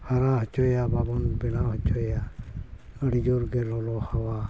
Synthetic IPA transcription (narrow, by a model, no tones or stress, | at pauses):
haɾãɦɔt͡ʃʰɔjababɔnbɛnaɦɔt͡ʃʰɔja | əɽid͡ʒuɾɡɛlɔlɔhawa